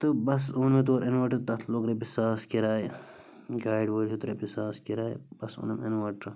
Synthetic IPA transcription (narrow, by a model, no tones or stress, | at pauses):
t̪ɨbɐsuːnmet̪oːɾʔinʋɐʈɐt̪ɐt̪ʰlokɾebisaːskiɾaːj | ɡaːjɖʋoːlʲut̪ɾebisaːskiɾaːjbɐsṵːnɐmɐnʋɐʈɾɨ